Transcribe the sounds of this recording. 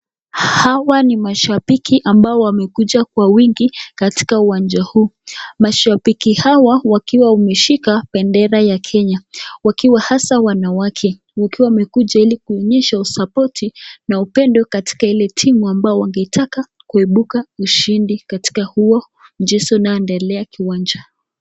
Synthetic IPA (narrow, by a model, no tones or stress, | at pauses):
hawanimaʃapikʰiʔambaɔwamɛkuʄakwawiŋɡikati̥kauwand͡ʒahuːmaʃapikihawawakiwaumɛʃikapɛndɛɾajakʰɛɲawakiwahasawanawakʰɛ | wakiwamɛkuʄailikuɔɲɛʃausapɔtʰinaupɛndɔkati̥kailɛtʰimuambaɔwaŋɡɛitʰaka | kuɛɓukauʃindikati̥kahuɔ | nd͡ʒɛsɔnaɛndɛlɛakiwand͡ʒa